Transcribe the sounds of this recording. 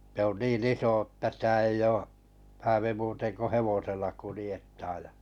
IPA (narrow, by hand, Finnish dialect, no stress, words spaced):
se niːn iso ə̆tæ sĭtæ ei oː hæːʋi muːten ko heʋoselːɑ kulĭjetːɑːj jɑ